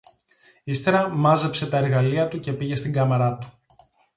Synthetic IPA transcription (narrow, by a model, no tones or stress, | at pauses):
ist̪e̞ɾɐmɐze̞pse̞t̪ɐe̞ɾɣɐliɐt̪uce̞piʝe̞st̪iŋɡɐmɐɾɐt̪u̥